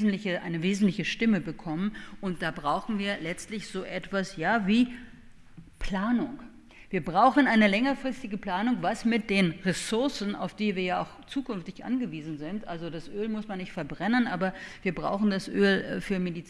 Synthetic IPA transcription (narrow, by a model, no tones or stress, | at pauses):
zn̩tlɪçəʔa̰ɪnəveːzn̩tlɪçəʃtɪməbəkʰɔmənʔʊnt̚d̥aːbʁaʊxn̩viːɐlɛt͡stlɪçz̥oːʔɛtv̥asjaːviː | pl̥aːnʊŋ | v̥iːɐbʁaʊxn̩ʔaɪnəlɛŋɐfʁ̥ɪstɪɡəpl̥aːnʊŋvasmɪt̚d̥eːnʁesʊɐsn̩a̰ʊfd̥iːviːɐjaːʔa̰ʊxt͡suːkʏnftɪçʔa̰nɡəviːzn̩zɪntʔalzodasʔøːlmʊsmanːɪçtfɛɐbʁɛnənʔaːbɐviːɐbʁa̰ʊxn̩dasʔøːlfyːɐmedit͡s